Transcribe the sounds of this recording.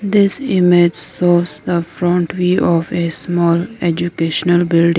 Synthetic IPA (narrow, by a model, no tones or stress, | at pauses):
d̪ɪsɪmed͡ʒsɔːsd̪əfɾɔ̃ːɳʈʋiːɔfesmɔːled͡ʒukeːʃnəlbɪlɖɪ̃ŋ